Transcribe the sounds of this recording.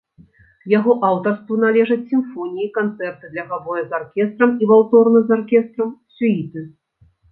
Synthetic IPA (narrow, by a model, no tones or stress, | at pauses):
jaɣɔʔawt̪ɐrst̪vunalʲɛʐɐt͡sʲsʲimfɔnʲijikant̪sɛrt̪ɨd̪lʲɐɣavɔjɐzarkʲɛst̪ɾɐmivaw̪t̪ɔrnɨzarkʲɛst̪ɾɐmsʲuit̪ɨ